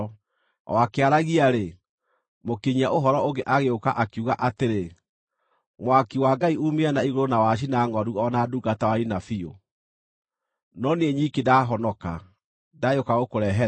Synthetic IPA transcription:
wakeaɾaɣiaɾe | mokeɲiaʔoɦɔɾɔoŋɡeʔaɣeokaʔakuɣaʔateɾe | mwakiwaɡaiumeanaiɣoɾonawaɕ̬inaŋwaɾuɔnaduːɡatawainafio̰ | nɔneeɲikedaːɦɔnɔka | dajokaɣokoɾɛɦɛ

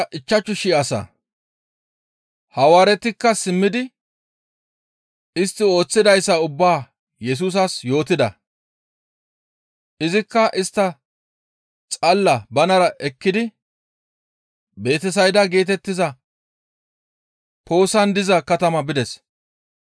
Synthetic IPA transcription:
ʔɪt͡ʃːɐt͡ʃːʊʃɪɐsɐ̰ | hɐwaːɾɛt̪ɪkːɐsɪmːɪd̪ɪ | ɪst̪ːɪo̞ːt͡sːɪd̪ɐjsːɐʊbːaː | jɛs̬uːs̬ɐsjo̞ːt̪ɪd̪ɐ | ʔɪzɪkːɐʔɪst̪ːɐ | t͡sʼɐlːɐbɐnɐɾɐʔɛkːɪd̪ɪ | be̞ːt̪ɛs̬ɐjd̪ɐɡe̞ːt̪̬ɛt̪ːɪzɐ | pʰo̞ːsɐnd̪ɪzɐkɐt̪ɐmɐbɪd̪ɛs

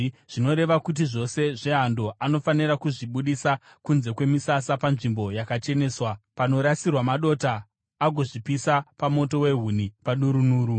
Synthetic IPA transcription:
ʐ̥ino̞ɾe̞ʋakut̬iʐo̞se̞ʐe̞ando̞ʔano̞faniɾakuʐiɓuɗisa | kunze̞kwe̞misasapanʐimbo̞jakat͡ʃe̞ne̞ːswapano̞ɾasirwamaɗo̞taː | ɡʱo̞ʐipisapamo̞to̞we̞ɦunipaɗuɾunuːɾu

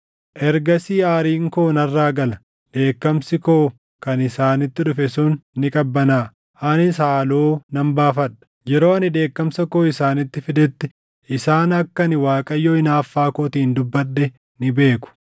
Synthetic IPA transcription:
ʔɛɾɡɐsiːaːɾiːŋkoːnɐrːaːɡɐlɐ | d̪̥e̞ːkːɐmsɪkoː | kɐnɪsaːnɪt̪ːɪᶑʊfɛsuːnːɪkʼɐbːɐnaː | anɪs̬aːloːnɐmbaːfɐᶑɐ̥ | d͡ʒɛɾo̞ːɐnɪd̪e̞ːkːɐmsɐko̞ːɪsaːnɪt̪ːɪfɪd̪ɛt̪ːɪ | ʔɪsaːnɐkːɐnɪwaːkʼɐjːoːɪnaːfːaːkoːt̪iːnd̪ʊbːɐɗːɛ | nɪbe̞ːkʊ̥

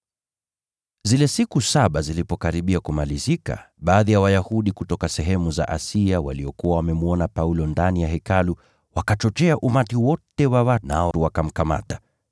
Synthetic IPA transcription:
zilɛsikusaɓazilipɔkaɾiɓiakumalizika̰ | ɓaːðijawajahuɗikutɔkasɛɦɛmuza̰ʔasiawa̰liɔkuwawamɛmuɔnapaulɔndanijaɦɛkalu | wakat͡ʃɔt͡ʃɛaʔumatiwɔtɛwawana̰ɔuwakam̩kama̰ta

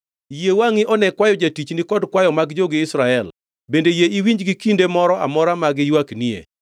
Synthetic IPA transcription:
jewaŋɪʔɔnɛkwajɔd͡ʒatit͡ʃnɪkɔdkwajɔmaɡd͡ʒoɡɪɪsɾaɛl | bendejeʔiwiɲd͡ʒɡikindemɔɾɔʔa̰mɔɾamaɡɪjwakniḛ

